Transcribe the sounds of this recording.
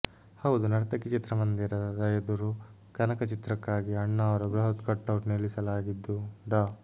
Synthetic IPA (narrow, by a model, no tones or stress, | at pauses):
hɐʋud̪unɐɾɐt̪ɐkit͡ʃit̪ɾɐmɐnd̪iɾɐɾɐjɐd̪uɾu | kɐnɐkɐt͡ʃit̪ɾɐkːaːɡiɐɳːɐːʋɐɾɐbɾɐɦɐt̪kɐʈːɐwʈnelisɐlaːɡid̪ːuɖaː